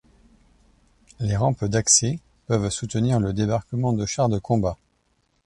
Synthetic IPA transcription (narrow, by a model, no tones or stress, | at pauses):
leʁɑ̃pd̪aksɛ | pœvsut̪əniʁləd̪ebaʁkəmɑ̃d̪əʃaʁd̪əkʰɔ̃ba